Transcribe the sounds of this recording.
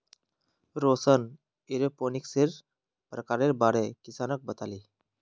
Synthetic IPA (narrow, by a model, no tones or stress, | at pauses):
ɾosən | iɾeponikseɾ | pɾəkaɾeɾbaɽɛkisanək̚bət̪aliː